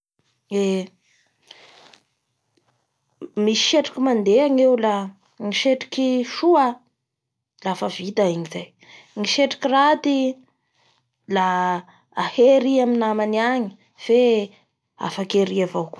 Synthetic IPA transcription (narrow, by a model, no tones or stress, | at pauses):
e | misi̥ʃeʈ͡ʂḁkimand̪eaŋewla | ŋiʃeʈ͡ʂi̥kiʃua | lafəvit̪aiɲizaj | ŋiʃeʈ͡ʂi̥kʲirat̪i | laː | heɾiaminamaniaɲi̥ | fe | a̰fakeɾiavok